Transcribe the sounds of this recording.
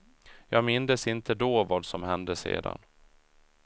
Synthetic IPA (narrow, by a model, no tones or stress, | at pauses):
jɑːɡmɪnd̪əsɪnt̪ʰəd̪oːvɑːd̪sɔmhɛnd̪əsḛːd̪a̰n